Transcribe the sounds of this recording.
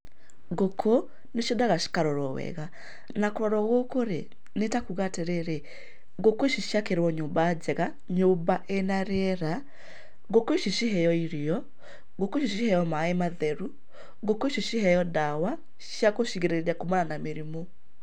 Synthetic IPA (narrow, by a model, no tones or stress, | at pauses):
ɡokʰo | neʃjodaɣaʃi̥kaɾɔɾɔwɛ̰ɣa | nakoɾɔɾɔɣokoɾe | netakuɣateɾeɾe | ɣokoiʃiʃjakeɾwɔɲoːmbaːd͡ʑɛɣa | ɲombaʔenaɾeɛɾa | ɣokoiʃiʃiɦɛjɔiɾiɔ | ɣokoʃiʃihɛjɔmaemaðɛɾu | ɣokoeʃiʃiɦɛjɔdawa | ʃjakoʃiɣeɾeɾiakomananameɾimo